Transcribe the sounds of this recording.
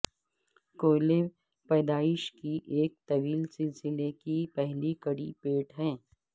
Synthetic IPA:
koːle | pɛːd̪aːɪʃkiʔeːk̚t̪ɐʋiːlsɪlsɪlekipɛɦlikɐɽipeːʈɦɛ̃ː

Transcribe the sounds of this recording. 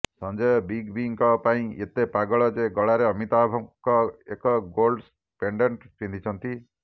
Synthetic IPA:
sɔ̃nd͡ʒɔjɔbiɡbiŋkɔpaĩet̪epaɡɔɭɔd͡ʒeɡɔɭaɾeɔmit̪abʱɔkɔekɔɡolɖs | peɳɖeɳʈpind̪ʰʱit͡ʃʰɔnt̪i

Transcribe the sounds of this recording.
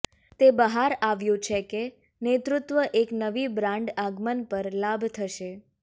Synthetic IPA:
t̪ebəɦaɾaʋjũt͡ʃʰeke | net̪ɾʊt̪ʋəʔeknəʋibɾãɳɖaɡmənpəɾlabʱt̪ʰəʃe

